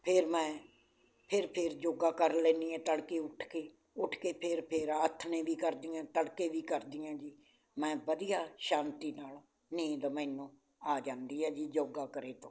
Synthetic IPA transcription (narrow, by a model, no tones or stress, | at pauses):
pʰɪɾmɛ̃ː | pʰɪɾpʰɪɾd͡ʒoːɡaːkəɾlɛ̃ːnd̪iːɛ̃ːt̪əɽkeːʊʈʰkeː | ʊʈʰkeːpʰɪɾpʰɪɾət̪ʰːnẽːʋiːkəɾd̪iːãːt̪əɽkeːʋiːkəɾd̪iːãːd͡ʒiː | mɛ̃ːʋəd̪ijaːʃãːnt̪iːnaːl | nĩːd̪əmẽːnõː | aːd͡ʒãːnd̪iːɛːd͡ʒiːd͡ʒoːɡaːkəɾeːt̪õː